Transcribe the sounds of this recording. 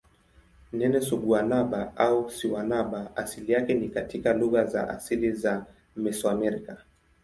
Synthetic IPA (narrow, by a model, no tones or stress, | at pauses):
nɛnɛsuɡuanaɓaʔausiwanaɓaasilijakɛnikatikaluɣaza̰ʔa̰siliza | mɛswamɛɾika